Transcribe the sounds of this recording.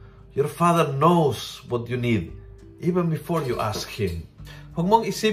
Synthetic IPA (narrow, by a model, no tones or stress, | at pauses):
jɔɹfaðəɹnoʊz̥wɔtjunid | ʔivə̃nbɪfɔɹjuʔaskhɪ̃mwɔŋmɔŋisi